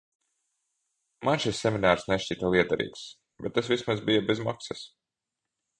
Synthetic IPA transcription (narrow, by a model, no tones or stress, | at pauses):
manʃisːɛminaːɾsnɛʃt͡ʃiːt̪alˠiɛd̪aɾḭːks | b̥ɛt̪ːas̬vʲismazbijabɛzmaksɐs